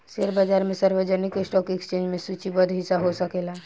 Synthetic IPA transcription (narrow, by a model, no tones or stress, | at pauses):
seɾbad͡ʒaɾmẽsəɾbəd͡ʒənikesʈɔkekst͡ʃẽnd͡ʒmesut͡ʃibəd̪ʱɦisaɦosəkela